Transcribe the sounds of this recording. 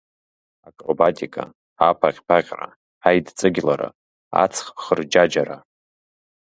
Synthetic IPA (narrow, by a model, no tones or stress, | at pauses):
akʼrobatʲʼikʼa̰ | apʰaqʲʼpʰaqʲʼra̰ | ħajdt͡sʼɨɡʲlaɾa̰ | a̰t͡sʰχpχərd͡ʒad͡ʒaɾa